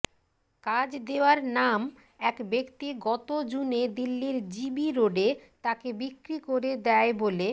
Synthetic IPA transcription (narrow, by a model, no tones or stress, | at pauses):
kad͡ʑd̪eowaɾnam | ɛkbekt̪iɡɔt̪od͡ʑuned̪ilːiɾd͡ʑibiɾoɖet̪akebikɾikoɾed̪ɛebole